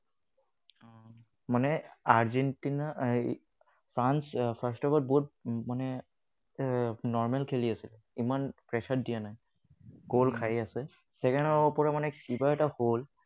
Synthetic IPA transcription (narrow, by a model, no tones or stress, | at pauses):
manɛaɹzɛntina | pʰɹanspʰastɔbat̚bɔut̚manɛ | nɔɹmɛlkʰeliasilɛ | imanpɹɛsʰatdijanaj | ɡ̥olkʰajasɛ | sɛkɛndɔupɔɹamanɛkibaɛtahol